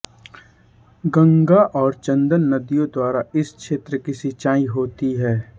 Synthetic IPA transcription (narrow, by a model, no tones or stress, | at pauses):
ɡɐ̃ŋɡaʔɔːɾt͡ʃɐ̃nd̪ənːɐd̪ijõd̪waːɾaɪskʃeːt̪ɾəkisɪt͡ʃaːĩɦoːt̪iɦɛː